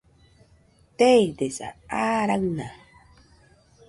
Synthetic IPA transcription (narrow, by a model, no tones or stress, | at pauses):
tɛjdesa̰aɾaŋna